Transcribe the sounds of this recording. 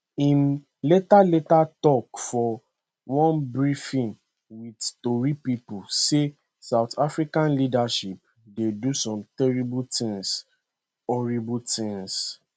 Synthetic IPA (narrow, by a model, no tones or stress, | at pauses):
ĩn | letaletatɔkfɔ | wɔ̃nbɹifĩn | widtoɹipipuse | saʊtafɹikãnlidaʃip̚ | dedusɔ̃mtɛɹibutĩŋs | ɔɹibutĩŋs